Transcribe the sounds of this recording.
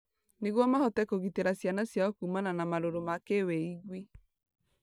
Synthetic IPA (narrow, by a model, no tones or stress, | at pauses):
neɣwɔmahɔtɛkoɣiteɾasjanasjaɔkumananamaɾoɾomakewɛiɣwe